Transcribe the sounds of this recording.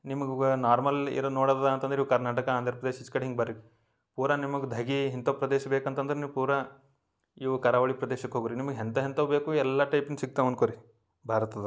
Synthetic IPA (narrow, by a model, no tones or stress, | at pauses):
nimɐɡɡnaːɾmɐlḭɾonoːɽɐd̪d̪ɐnt̪ɐnd̪ɾiːʋkɐɾnaːʈɐkɐaːnd̪ʱɐɾɐpɾɐd̪eːʃit͡ʃkɐɽɦiŋɡebɐɾi | puːɾɐnimɐɡud̪ʱɐɡiɦint̪oːpɾɐd̪eːʃɐbeːkɐnt̪ɐnd̪ɐɾeniʋpuːɾɐ | iːʋɐkɐɾaːʋɐɭipɾɐd̪eːʃɐkːɦoːɡuɾinimɐɡeɦent̪ɐɦent̪ɐbeːkuɛlːaʈɐjpinsiɡ̚t̪ɐʋɐnkoɾi | bʱaːɾɐt̪ɐd̪ɐ